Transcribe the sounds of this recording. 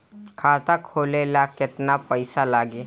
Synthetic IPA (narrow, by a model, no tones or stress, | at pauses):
kʰaːt̪akʰoːlelakɪt̪napəɪsalaːɡe